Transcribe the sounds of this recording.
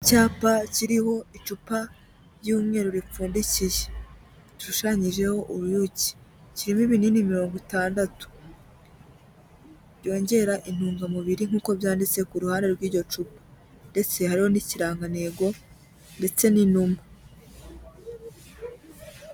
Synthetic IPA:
caːpaciɾiho̞it͡ʃupa | ɾjuːmŋe̞ːɾuɾip͡fuːndicije | ʃuʃaɲiʒe̞ho̞ʔuɾujuci̥ | ciɾimiβininimiɾo̞ːŋɡutaːndatu̥ | ɾjo̞ːɲɟe̞ɾaʔin̥uːŋɡamuβiɾiŋ̥uːko̞βjaːndit͡se̞kuɾuhaːnde̞ɾɡwiːɾɟo̞t͡ʃupḁ | nde̞t͡se̞haɾiho̞niciɾaːŋɡane̞ɡo̞ | nde̞t͡se̞ninuma

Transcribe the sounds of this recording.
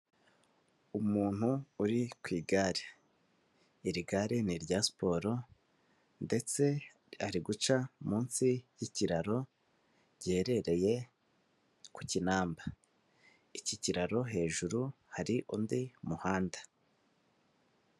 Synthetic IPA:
umuːn̥huuɾikwiːɡaɾe | iɾiɡaɾiniɾɟaspo̞ɾo̞ | nde̞t͡se̞ | aɾiɡut͡ʃamuːnsijiciɾaɾo̞ | ɾɟe̞ːɾe̞ɾe̞je̞ | kucinaːmba | iciciɾaɾo̞ɦe̞ːʒuɾuhaɾiʔundimuhaːnda

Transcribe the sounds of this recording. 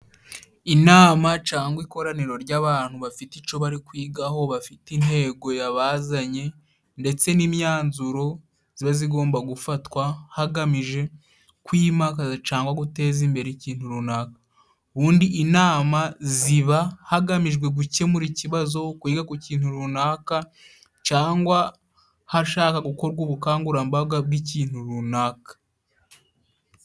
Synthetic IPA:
inaːmat͡ʃaːŋɡwiko̞ɾaniɾo̞ɾɟaːβaːn̥huβafitit͡ʃo̞βaɾikwiːɡaho̞βafitinhe̞ːɡo̞jaβazaɲe̞ | nde̞t͡se̞nimɲaːnzuɾo̞ | z̥iβaziɡo̞ːmbaɡufatwahaɡamiʒe̞ | kwiːmakazat͡ʃaːŋɡwaɡute̞ːzimbe̞ɾeciːn̥huɾunakḁ | βuːndiʔːnaːmaziβahaɡamiʒɡwe̞ɡuce̞muɾiciβazo̞kwiːɡakuciːn̥huɾunaka | t͡ʃaːŋɡwa | haʃaːkaɡuko̞ɾɡoːβukaːŋɡuɾambab̚ɡab̚ɡiciːn̥huɾunaːkḁ

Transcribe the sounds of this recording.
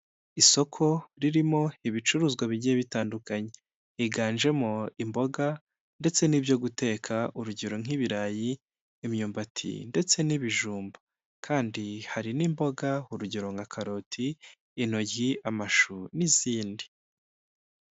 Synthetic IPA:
iso̞kʰo̞ɾiɾimo̞iβit͡ʃuɾuːzɡwaβiɟieβitaːndukaɲe̞ | iɡaːnʒe̞mo̞imbo̞ɡa | nde̞t͡se̞niːbjo̞ɡute̞ːkʰaʔuɾuɟeɾo̞ŋ̥iβiɾajiː | mɲuːmbatʰḭnde̞t͡se̞niβiʒuːmbḁ | kʰaːndihaɾinimbo̞ɡauɾuɟeɾo̞ŋakʰaɾo̞tʰiː | no̞ɟɡiamaʃuniziːndi

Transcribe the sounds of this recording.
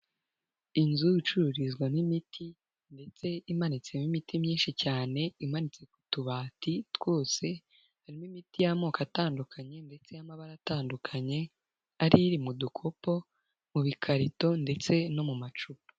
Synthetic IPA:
inzuit͡ʃuɾuɾizɡwanimitʰi | nde̞t͡se̞imanit͡se̞mimitimɲiːnʃicaːne̞imanit͡se̞k̚u̥tuβaːtitw̥o̞ːse̞ | haɾimimitijamo̞ːkataːndukʰaɲe̞nde̞t͡se̞jamaβaɾataːndukʰaɲe̞ | aɾiɾimudukʰo̞po̞ | muβikʰaɾito̞nde̞t͡se̞no̞mumat͡ʃupḁ

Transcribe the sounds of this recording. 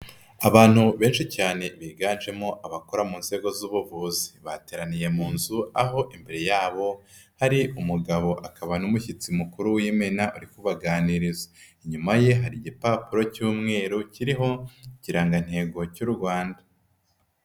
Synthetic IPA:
aβaːn̥huβe̞ːnʃicaːne̞βiːɡaːnʒe̞mo̞ʔaβakoɾamuːnze̞ɡo̞zuːβuvuːzi̥βate̞ːɾanije̞muːnzuaɦo̞ʔimbeɾejaːβo̞haɾiʔumuɡaβo̞ʔakaβanumuçit͡simukuɾuwiːmenaʔuɾikuβaɡaːniɾizḁiɲumaje̞ɦaɾiɟipapuɾo̞cuːmŋe̞ːɾuciɾiɦo̞ciɾaːŋɡan̥he̞ːɡo̞cuɾuɾɡwaːnda

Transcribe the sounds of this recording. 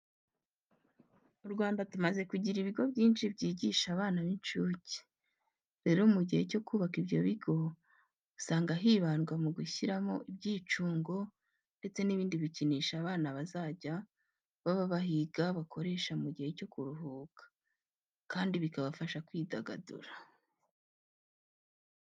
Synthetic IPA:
uɾɡwaːndatumaze̞kuɟiɾiβiɡo̞bɟiːnt͡ʃibɟiːɟiːʃaβaːnaβint͡ʃuːci̥ | ɾe̞ːɾo̞muɟihe̞co̞kuːβakibjo̞̰βiɡo̞ | usaːŋɡaɦiːβaːnɡwamuɡuçiɾamo̞̰ʔibɟiːt͡ʃuːŋɡo̞ | nde̞t͡se̞niβiːndiβiciniːʃaβaːnaβazaːɟa | βaβaβaɦiɡaβakʰo̞ɾe̞ːʃaumuɟihe̞co̞kuɾuɦuːkḁ | kaːndiβikaβafaʃakwiːdaɡa̰dṵɾa

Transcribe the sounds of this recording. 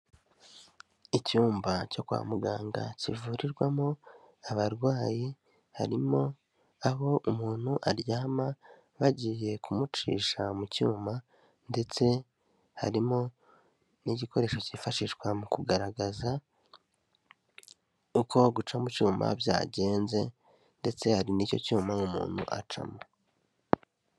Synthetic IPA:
icuːmbaco̞kwa̰ːmuɡaːŋɡa̰civuːɾiɾɡwamo | aβaɾɡwaːji | ha̰ɾimo̞ | aɦo̞ʔumuːn̥huʔaɾjaːma | βaɟiːje̞kʰumut͡ʃḭːʃamucuːmba | nde̞t͡se̞ | ha̰ɾimo̞ | niɟiko̞ɾe̞ːʃo̞cifaʃiʃkwamukuɡaɾaɡaza | uko̞ɡut͡ʃamucuːmba̰bja̰ːɟe̞ːnze̞ | nde̞t͡se̞haɾiniːco̞̰cuːmaumṵːn̥hṵʔa̰t͡ʃa̰ma

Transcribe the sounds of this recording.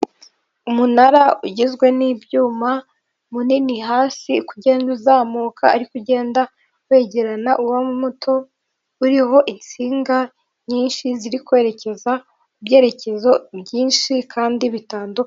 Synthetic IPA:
umunaɾauɟezɡwe̞nibɟuːma | muniniɦaːsikuɟe̞ːnduzaːmukʰaaɾikuɟe̞ːnda | we̞ːɟeɾanaʔuwamumutʰo̞ | uɾiho̞ʔint͡siːŋɡa | ɲiːnʃiziɾikwe̞ːɾe̞ce̞za | ubɟe̞ːɾe̞ce̞zo̞bjiːnʃikʰaːndiβitaːnduka

